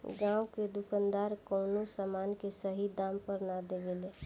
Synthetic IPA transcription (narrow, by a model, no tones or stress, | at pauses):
ɡãuked̪ukənd̪aɾkəʊnosamankesəɦid̪ampəɾnad̪eɡele